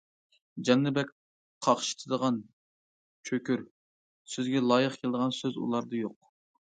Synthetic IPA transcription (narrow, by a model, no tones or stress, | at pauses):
d͡ʒɑnːɨbɛk̚ʲ | qʰɑχʃi̥t̪ʰɨd̪əʁɑn | t͡ʃʰøkʲyɾ | søzɡʲɛlˠɑːjəχkʲʰelɪd̪əʁɑnsøzṵlˠɑɾd̪ɑjoq̚